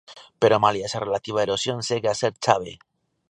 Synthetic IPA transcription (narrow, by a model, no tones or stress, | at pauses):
pe̞ɾomaliesare̞lat̪iβ̞aeɾo̞sjo̞nseɣeaseɾt͡ʃaβ̞e̞̰